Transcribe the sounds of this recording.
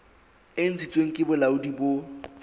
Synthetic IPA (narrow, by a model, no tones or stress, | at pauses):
ɪn̩t͡sʰit͡sʼweŋ̩kʼɪbʊlaʊdibʊ